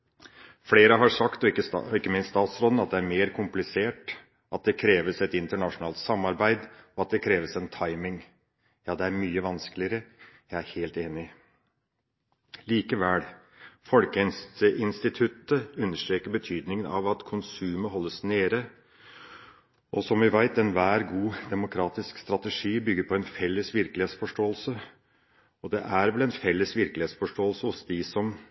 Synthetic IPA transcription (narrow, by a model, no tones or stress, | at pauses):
fleːɾəɦɑʂɑkt̪ɔkːəɪkːəmɪnst̪ɑːt̪sɾɔd̪nɑt̪d̪ɛæɾmeːɾkʰʊmplɪseːʈ | ʔɑt̪̚d̪ɛkʰɾeːʋəsɛt̪ɪnt̪əɳɑʂʊnɑːlt̪sɑmːɑɾbæɪd̪ɔɑt̪̚d̪ɛkʰɾeːʋəsɛnt̪ʰɑɪmɪŋ | jɑːd̪ɛæɾmyːəʋɑnskəlɪəɾəjæɪæɾheːlt̪eːnɪ | liːkəʋæːl | fɔlkəɪnst̪əʔɪnst̪ɪt̪ʰʉt̪ːəʉnːəʂʈ̪ɾeːkəɾbət̪ʰyːd̪nɪŋənɑ̰ʋɑt̪kʰʊnsʉːməɦɔlːəsneːɾə | ʔɔsɔmʋɪʋæɪt̪ɛnʋæːɾɡuːd̪ɛmʊkʰɾɑːt̪ɪskst̪ɾɑt̪əʂiːbʏɡːəɾpʰɔɛnfɛlːəsʋɪɾkəlɪheːt̪sfɔʂʈoːəlsə | ɔd̪ɛʔæɾʋɛlɛnfɛlːəsʋɪɾklɪheːt̪sfɔʂʈoːəlsəɔsd̪ɪsɔm